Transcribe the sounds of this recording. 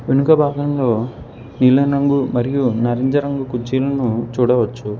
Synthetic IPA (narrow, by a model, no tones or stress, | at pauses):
ʋenukɐbʱaːɡɐmlo̞ː | nilɐɾɐŋɡumɐɾijunɐɾeɲd͡ʒɐɾɐŋɡukud͡ʒiːlɐnut͡ʃuːɽɐʋɐt͡ʃːu